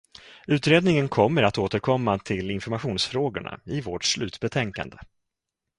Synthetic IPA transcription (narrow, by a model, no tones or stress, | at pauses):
ʉ̟ːt̪ɾeːd̪nɪŋənkʰɔmːəɾat̪oːt̪əɾkʰɔmːat̪ʰɪlɪnfɔɾmaɧuːnsfɾoːɡʊ̰ɳa̰ɪvoːʈslʉ̟ːt̪bɛt̪ʰɛŋka̰nd̪ə